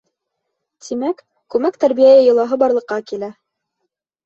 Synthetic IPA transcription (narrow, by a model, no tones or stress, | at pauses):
t̪ʰimæk | kʉmækt̪æɾbijæjɘjɤ̆lˠɑɦɤbɑɾlˠɤ̆qːɑkilæ